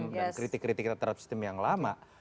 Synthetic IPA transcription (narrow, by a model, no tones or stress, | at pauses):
mankɾit̪ɪkːɾit̪ɪkːit̪at̪aɾap̚si̥st̪ɪmjaŋlamaʔ